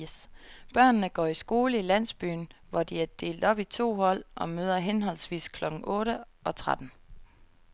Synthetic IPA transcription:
sb̥ɶɐ̰nːəɡ̥ɒ̰ːisɡ̥o̝ːləilæn̰sb̥y̰ːn̩ʋɒd̥iæɐd̥e̝̰ːld̥ɒ̽b̥it͡sʰo̝̰ːhɒ̽l̰ʔɒ̽møːð̞ˠɐɦenɦɒ̽l̰sʋḭːskʰlɒ̽ɡ̥n̩ʔɔ̽ːɾəʔɒ̽t͡sʰʁad̥n̩

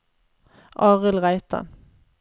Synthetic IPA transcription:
ʔɑːʁəlʁæɪt̪ʰɑ̰

